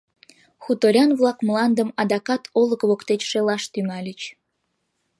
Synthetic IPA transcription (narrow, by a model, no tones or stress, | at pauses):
xut̪oɾʲɑnvlˠɑkmlɑnd̪əmɑd̪ɑkɑt̪ʰolə̆kβokt̪et͡ɕʃelɑʃt̪yŋɑlʲət͡ɕ